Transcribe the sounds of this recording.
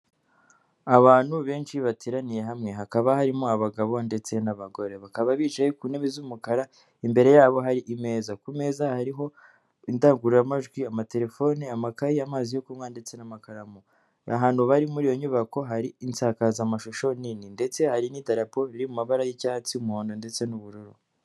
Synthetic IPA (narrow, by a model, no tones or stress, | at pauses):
aβaːnhuβe̞ːnt͡ʃiβateːɾanije̞ɦamŋe̞ɦakaβahaɾimoaβaɡaβo̞nde̞t͡se̞naβaɡo̞ɾe̞βakaβaβiːt͡ʃajekuːneβezumukaɾa | imbe̞ɾe̞jaːβo̞ɦaɾiʔime̞ːzakume̞ːzahaɾiɦo̞ | indaːŋɡuɾuɾamaʒɡwiamate̞ɾe̞fo̞ːniamakajiamaːzijo̞kumŋande̞t͡se̞namakaɾamo | aɦaːnhuβaɾimuɾiːjo̞ɲuβako̞ɦaɾiːnt͡saːkazamaʃoʃo̞nininde̞t͡se̞haɾinidaɾapo̞ɾiɾimumaβaɾajicaːhat͡siumuhoːndo̞nde̞t͡se̞nuβuɾuɾu